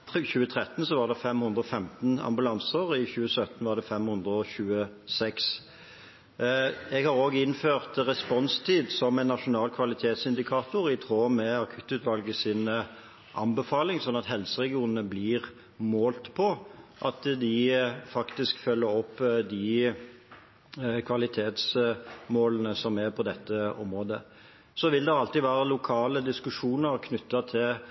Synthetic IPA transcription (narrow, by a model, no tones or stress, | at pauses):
çʉːət̪ʰʁɛt̪nsɔʋɑːʁd̪ɛfɛmhʉnd̪ʁɔfɛmt̪nɑ̰mbʉlɑnsəʁɪçʉːəsœt̪n̩ʋɑːʁd̪ɛfɛmhʉnd̪ʁəɔɕʉːə | sɛks | ɛɡhɑʁoːɡəɪnføːʁt̪ʁɛspɔnst̪ʰiːd̪sɔmɛɪnːɑʂʊnɑːlkʰʋɑlɪt̪ʰeːt̪sɪnd̪ɪkʰɑːt̪ʊʁɪt̪ʰʁoːmɛɑkʰʉt̪ːʉːt̪ʋɑlɡəsɪn | ʔɑ̰nbəfɑːlɪŋsɔnːɑt̪ɦɛlsəʁɛɡɪuːnənəbliːɾ | moːlt̪pʰɔʔɑt̪d̪ɪfɑkt̪ɪskfœlːəɾɔpːd̪ɪ | kʰʋɑlɪt̪ʰeːt̪smoːlənəsɔmæɾpʰɔd̪ɛt̪ːəɔ̰mɾoːd̪ə | sɔʋɪld̪ɛɑlt̪iːʋæːɾəlʊkʰɑːləd̪ɪskʉʂuːnəʁkʰnʉt̪ːɑt̪ʰɪl